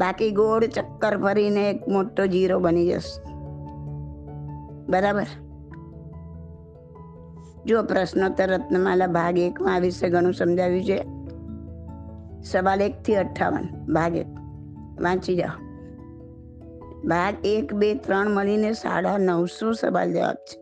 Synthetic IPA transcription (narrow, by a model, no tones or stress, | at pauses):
bakiɡoɽt͡ʃəkːəɾpʰəɾineːkmoʈːod͡ʒiɾobənid͡ʒə̰s | bəɾabəɾ | d͡ʒopɾəsnot̪əɾːət̪nəmãlabʱaɡekmãʋɪʃeɡʱəɽ̃ũsəmd͡ʒʱaʋjũt͡ʃʰe | səʋalek̚t̪ʰiəʈʰːa̰ʋə̰nbʱaɡḛk̚ | ʋãt͡ʃid͡ʒa̰o | bʱaɡekbet̪ɾəɳ̃məɭinesa̰ɽanəʋsosə̰ʋa̰ld͡ʒə̰ʋa̰p̚t͡ʃʰe̥